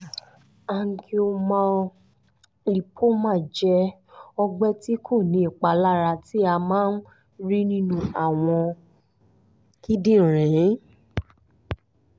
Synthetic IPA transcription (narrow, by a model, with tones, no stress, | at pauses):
a˧ŋ̩˦˧kʰi˦o˧mã˧ | li˨pʰo˦mã˦˨d͡ʒɛ˧˦ | ɔ˧ɡ͡bɛ˦ti˦kʰo˦˨nĩ˨˦i˨k͡pa˨˧la˦ɾa˧ti˦a˧mãː˦n̩˦ | ɾi˦nĩ˦nũ˧a˦˨w̃ɔ̃˧ | ki˦dĩ˦˨ɾɛ̃˨˦